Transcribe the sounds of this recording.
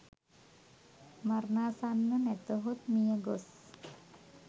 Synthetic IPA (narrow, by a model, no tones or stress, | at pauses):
marnasanːənɛt̪oɦut̪̚mijəɡos